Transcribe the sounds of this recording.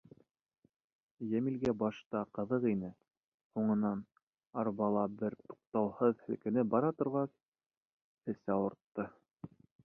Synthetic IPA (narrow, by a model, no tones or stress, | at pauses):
jæmilɡæbɑʃt̪ɑqɤ̆ðɤqinɘ | huɴɤ̆nɑn | ɑɾβɑlˠɑbɘɾt̪u̥q̚t̪ɑwhɤðhɘ̆lkɘ̆nɘbɑɾɑt̪ŏɾʁɑs | ɘ̆sæwɤ̆ɾt̪ːɤ